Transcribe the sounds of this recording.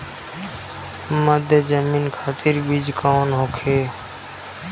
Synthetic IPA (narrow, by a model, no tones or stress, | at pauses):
məd̪ʱjəzəmiːnkʰaːt̪ɪɾbid͡ʒkʰoːnɦoːkʰeː